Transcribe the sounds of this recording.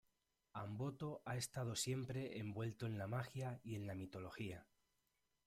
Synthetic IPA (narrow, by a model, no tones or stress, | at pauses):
ambo̞t̪o̞ʔae̞st̪að̞o̞sje̞mpɾe̞embwe̞lt̪o̞e̞nlamaxjaie̞nlamit̪o̞lo̞xia